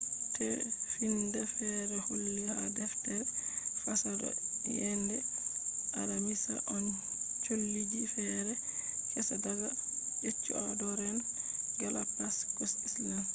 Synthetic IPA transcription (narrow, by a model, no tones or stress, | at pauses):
tʰɛfindɛfɛɾɛholːihadɛftɛɾfasadɔ̰jɛndɛ | ʔaɾamisa̰ʔɔn | t͡ʃolːid͡ʒifɛɾɛkɛsadaɡaʔet͡ʃːṵadɔɾɛn | ɡalapaskɔsislam